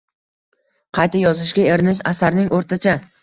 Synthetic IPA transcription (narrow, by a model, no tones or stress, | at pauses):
qʰɑjt̪ajɒzɪʃɡʲaeɾnɪʃ̬a̰saɾnɪŋʔoɾt̪ʰat͡ʃʰa